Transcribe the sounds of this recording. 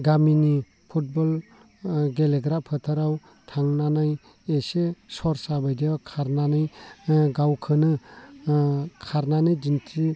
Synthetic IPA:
ɡamini | pʰut̚bɔl | ɡeleɡɾapʰɯtʰaɾaw | tʰaŋnanaj | esesɔɾsabajdebakʰaɾnanɯjɡawkʰɯnɯ | kʰaɾnanɯjd͡ʒintʰi

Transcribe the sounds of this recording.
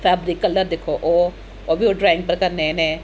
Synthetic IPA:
fɛːbɾiːkːəlːəɾd̪eːkʰoːʔoː | obʱioːɖɾaːɪ̃ŋɡ̚pəɾkəɾnenẽː

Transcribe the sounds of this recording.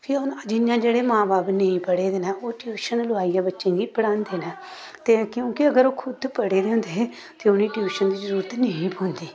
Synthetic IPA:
pʰɪʊnd͡ʒɪnjãːd͡ʒeːɽeːmãːbaːpnəĩːpəɽeːd̪eːnɛːoːʈjuːʃənlʊaːijaːbətːʃẽːɡiːpəɽãːnd̪eːnɛː | t̪eːkjõːkɪəɡəɾoːkʰʊd̪pəɽeːd̪eːɦʊ̃nd̪eː | t̪eːʊniːʈjuːʃənd̪iːzəɾuːɾət̪nəĩːpoːnd̪iː

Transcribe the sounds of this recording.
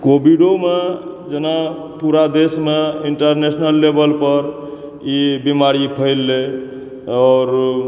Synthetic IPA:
kobiɖome | d͡ʒena | puɾad̪esmeiɳʈəɾnesnəlːebəlpəɾ | ibimaɾipʰəɪlːe | ɔːɾ

